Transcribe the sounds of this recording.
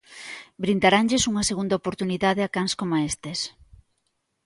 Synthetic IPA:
bɾind̪aɾanʎesuŋɐseɣund̪ɐopoɾt̪uniðaðeakanskomaest̪es

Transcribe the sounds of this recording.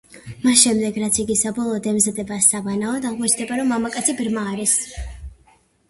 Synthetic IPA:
masʃɛmd̪ɛɡɾat̪sʰiɡisabɔlˠɔːd̪ɛmzad̪ɛbasavanaɔd̪aʁmɔt͡ʃʰd̪ɛbaɾɔmːamakʼat̪sʰibɾmaːɾis

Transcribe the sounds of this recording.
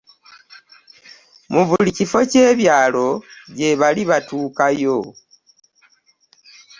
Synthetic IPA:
muβulicifo̞ce̞ːβjaːlo̞ɟe̞βaliβatuːkajo

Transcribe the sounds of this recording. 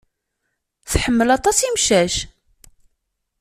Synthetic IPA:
θħəmːəlɑt̪ˤɑsimʃæʃ

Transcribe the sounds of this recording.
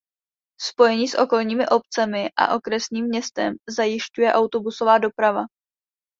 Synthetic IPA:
spo̞jɛɲiːsʔo̞ko̞lɲiːmɪʔo̞p̚t͡sɛmɪʔa̰ʔo̞kɾɛsɲiːmːɲɛst̪ɛmzajɪʃcujɛʔawt̪o̞buso̞vaːdo̞pɾava

